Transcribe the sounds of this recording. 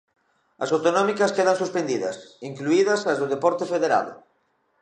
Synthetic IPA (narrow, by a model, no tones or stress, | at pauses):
ɐ̰sawt̪onɔmikɐskeð̞aŋsuspend̪iðɐ̰siŋkluiðɐsɐzðʊð̞epɔɾt̪efeðeɾa̰ðo̰